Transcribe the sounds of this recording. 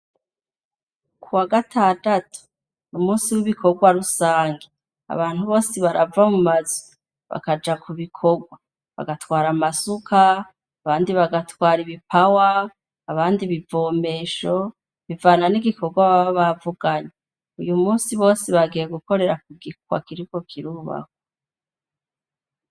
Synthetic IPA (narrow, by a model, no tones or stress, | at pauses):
kʰuwaɡatʰadatu̥ | numuːsiwiβikʰo̞ɡwaɾusaːŋɡe | a̰βaːn̥huβo̞ːsiβaɾavamumazu | βa̰kad͡ʒakʰuβikʰo̞ɡwa | βa̰ɡatwaːɾamasukʰaː | βaːndiβaɡatwaːɾiβipʰawaː | βaːndiβivo̞ːme̞ːʃo̞ | βivaːnaniɡikʰoɡwaβaβaβavuɡ̥aɲe | ujumuːsiβo̞ːsiβaɡijeɡuko̞ɾe̞ɾak̚uɡiwa̰kiɾiko̞kʰiɾuːβa̰ko